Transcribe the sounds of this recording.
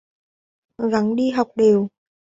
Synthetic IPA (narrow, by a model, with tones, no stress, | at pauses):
ɣa˨˦nɗi˧ɦa˨˩wk͡p̚ɗe˨˩w